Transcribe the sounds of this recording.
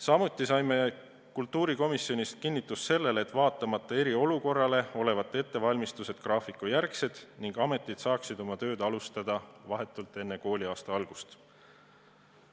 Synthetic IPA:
sɑmut̪ːˑisɑjme̞ | kult̪ːˑuːɾiko̞misio̞nist̪̚kinːit̪ːˑusse̞lːe̞let̪ːˑvɑːt̪ːˑɑmɑt̪ˑːɑe̞ɾio̞luko̞rːɑle̞o̞le̞vɑt̪ːˑee̞t̪ːe̞vɑlʲmist̪use̞d̪̥krɑːfikːˑujærkse̞d̪̥niŋɡ̥ɑme̞t̪ːˑid̪̥sɑːksid̪̥o̞mɑt̪ø̞ːd̪ɑlust̪ɑd̪̥ɑvɑɦe̞t̪ːˑult̪ːˑe̞nːeko̞ːlʲiɑːst̪ɑɑlɡ̥ust̪

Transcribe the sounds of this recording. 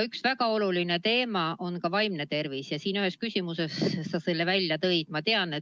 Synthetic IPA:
yksvæɡ̥ɑo̞luline̞t̪e̞ːmɑo̞nkɑvɑjmne̞t̪e̞rvisjɑsiːnyɦhe̞skysʲimuse̞sːɑselːevælʲjɑt̪ɤjd̪̥̚mɑt̪e̞ɑne

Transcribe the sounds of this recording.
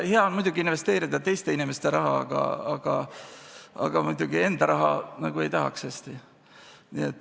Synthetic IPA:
heɑonmujd̥̪ʲuɡ̥iinve̞st̪e̞ːɾid̪̥ɑt̪e̞jst̪e̞inime̞st̪e̞ɾɑɦɑ̰ɑ̰ɡ̥ɑ̰ɑɡ̥ɑ̰ | ɑ̰ɡ̥ɑmujd̪̥uɡ̥ie̞nd̪̥ɑɾʔɑɦɑnɑɡ̥ue̞jt̪ɑɦɑ̰kshest̪i | niet̪ːˑ

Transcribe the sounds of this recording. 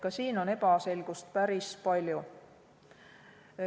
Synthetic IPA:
kɑsiːno̞ne̞bɑse̞lɡ̥ust̪̚pæɾispɑlʲju

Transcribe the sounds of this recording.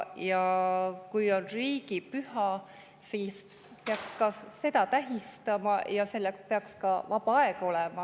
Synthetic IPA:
jɑkujo̞nriːɡ̥ipyhɑ | siːs | peɑkskɑse̞d̪ɑt̪æɦist̪ɑmɑjɑse̞lːekspeɑkskɑvɑpɑɑeɡ̥ɑo̞lemɑ

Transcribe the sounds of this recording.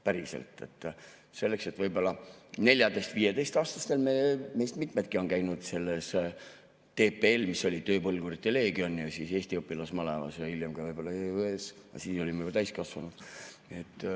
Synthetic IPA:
pæɾisḛlt̪ːˑe̞̰t̪ːˑ | se̞lːe̞kse̞t̪vɤjbo̞lːɑne̞lʲjɑd̪e̞st̪viːe̞d̪e̞jst̪ɑːst̪ɑst̪e̞lmeme̞jst̪mit̪me̞t̪̚kio̞nkæjnud̪̥se̞lːe̞s | t̪e̞ːpeelmisːo̞lʲit̪øːpɤlɡ̥urit̪ːˑele̞ːɡio̞nːjɑsise̞ːst̪iopːˑilɑsmɑlevɑ̰sjɑiljemɡ̥ɑvɤjb̥o̞lːɑeøesjɑ̰siːso̞limejblt̪æjskɑsvɑnud̪̥ | et̪ːˑ

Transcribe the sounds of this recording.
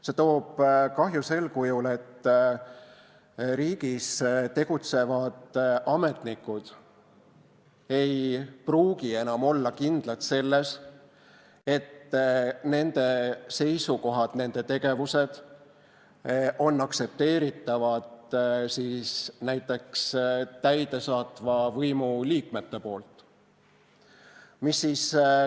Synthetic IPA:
se̞t̪o̞ːb̥kɑɦjuse̞lkujule̞t̪ː | ɾiːɡ̥ist̪e̞ɡ̥ut̪se̞vɑd̪̥ʔɑme̞t̪nikːˑud̪̥ | e̞jpruːɡie̞nɑmo̞lːɑkind̪̥lɑt̪se̞lːe̞s | e̞t̪ne̞nd̪̥e̞se̞jsuko̞ɦɑd̪̥ne̞nd̪̥e̞t̪e̞ɡ̥e̞vuse̞d̪̥ | ʔo̞nːɑkse̞p̚t̪e̞ːɾit̪ːˑɑvɑd̪̥siːsnæjt̪ːˑe̞kst̪æjd̪̥e̞sɑːt̪vɑvɤjmuliːkme̞t̪ːe̞po̞ːlt̪ˑ | misːiːs

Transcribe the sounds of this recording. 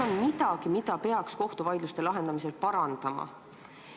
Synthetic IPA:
onmit̪ɑɡ̥imid̪ɑpe̞ɑksko̞ht̪uvɑjd̪lust̪e̞lɑɦe̞nd̪̥ɑmise̞lpɑɾɑnd̪̥ɑmɑ̰

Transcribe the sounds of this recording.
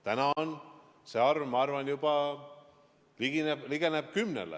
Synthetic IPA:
t̪ænɑon | seɑrvmɑɑrvɑnjub̥ɑ | liɡinebliɡ̥eneb̥kymnḛlḛ

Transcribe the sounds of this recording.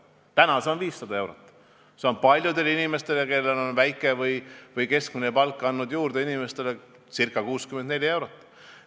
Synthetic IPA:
t̪ænɑseo̞nviːsːɑd̪ɑe̞wɾot̪ːˑ | seo̞npɑlʲjud̪e̞linime̞st̪e̞leke̞lːe̞lo̞nvæjkːˑe̞vɯjvɯjke̞sk̚minepɑlkːˑɑnːud̪̥juːrd̪̥e̞inimest̪e̞le | sirkːˑɑkuːskymend̪ne̞lʲie̞wɾot̪ˑː

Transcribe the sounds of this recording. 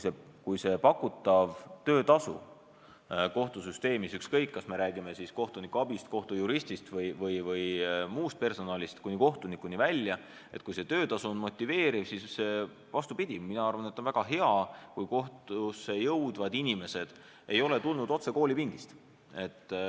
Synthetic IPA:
kuse | kujse̞pɑkːˑut̪ːˑɑvt̪ø̞ːt̪ɑsṵ | ko̞ht̪usyst̪e̞ːmisykskɤjkːɑsme̞ɾæːɡ̥ime̞sisko̞ht̪unikːˑuɑb̥ist̪koht̪ujuɾisʲt̪ist̪vɤjvɤjvɤjmuːst̪̚pe̞rso̞nɑːlʲist̪kunʲːiko̞ht̪unikːˑunivælʲjɑ | e̞t̪̚kujse̞t̪ø̞ːt̪ɑsuonmo̞t̪ʲːˑive̞ːɾivsise | vɑst̪upid̪̥ʲiminɑɑrvɑnet̪ːˑonvæɡ̥ɑɦe̞ɑkujko̞ht̪usejɤwd̪̥vɑd̪̥inʲime̞se̞d̪̥ | e̞jo̞le̞t̪ulnud̪o̞t̪se̞ko̞ːlʲipiŋɡ̥ist̪ | e̞t̪ː

